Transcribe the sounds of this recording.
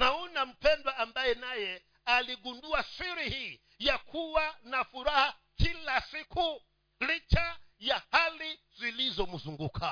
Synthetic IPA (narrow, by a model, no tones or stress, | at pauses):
naunam̩pʰɛndwaʔambajɛnajɛ | aliɡunduasiɾihi | jakʰuwanafuɾaha | kʰilasikʰu | lit͡ʃajahali | z̥ʷilizɔmuzuŋɡukʰa